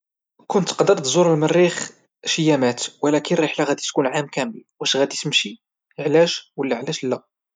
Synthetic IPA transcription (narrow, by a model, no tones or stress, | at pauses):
kʊnt̪qd̪əɾt̪zuɾˤəlmənːix | ʃəjːæmæt̪wəlækənrˤeħlaɣæd̪it̪kunʕamkæməlwʔæʃɣæd̪isəmʃi | əʕlæʒwəlːæʕlæʃlːæ